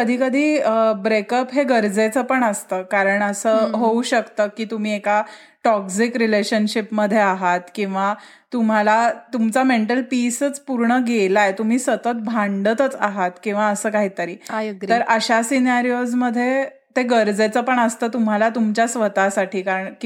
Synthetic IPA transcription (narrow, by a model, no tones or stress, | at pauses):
kəd̪ʱiːkəd̪ʱiːəbɾekəpɦeɡəɾd͡zet͡səpəɳəst̪əːkaɾəɳəsəːɦouɕəkt̪əkiːt̪um̤iːeka | ʈɔksikɾileɕənɕipməd̪ʱːjeaɦat̪kĩw̃ʋa | t̪um̤alat̪umt͡sameɳʈəlpisət͡spuɾɳəɡelajt̪um̤iːsət̪ət̪̚bʱãɳɖət̪ət͡saɦat̪kĩw̃ʋaəsəːkaɦiːt̪əɾiːəɾʔəɕasinaɾiod͡zməd̪ʱːje | t̪eɡəɾd͡zet͡səpəɳəst̪əːt̪um̤alat̪umt͡ɕjasʋət̪asaʈʰiːkaɾəɳk